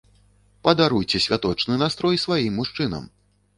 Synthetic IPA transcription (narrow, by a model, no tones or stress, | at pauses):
pɐd̪aɾujt͡sʲɛsʲvʲat̪ɔt͡ʂnɨnast̪ɾɔjsvajimːuʂt͡ʂɨnɐ̰m